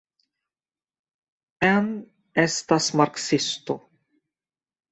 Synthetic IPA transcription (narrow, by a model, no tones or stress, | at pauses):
ɛn | ɛst̪asmaɾksɪst̪ʊ